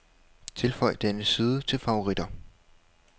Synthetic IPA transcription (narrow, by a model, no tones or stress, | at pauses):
t͡sʰe̝lfɒɪ̰d̥enəsiːð̞ˠət͡sʰe̝lfɑ̈o̝ʁid̥ɐ